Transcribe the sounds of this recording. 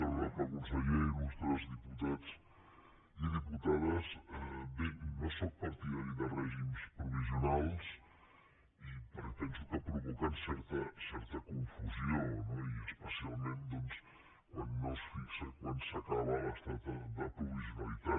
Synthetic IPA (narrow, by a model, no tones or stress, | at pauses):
əlɾakɐkunsəʎeiɾuzt̪ɾɛzðiput̪at͡s | iðiput̪aðəzɛbenosɔk̚pɐɾt̪iðaɾiðərɛʒimspɾuβiziunalˠs | ipəɾt̪ɛnsukəpɾuβukansɛɾt̪əsɛɾt̪əkuɱfuzionɔiəspəsialˠmẽnd̪ɔns | kwanːɔsfiʎsəkwansɐkaβalast̪at̪əðəpɾuβizjunɐlit̪a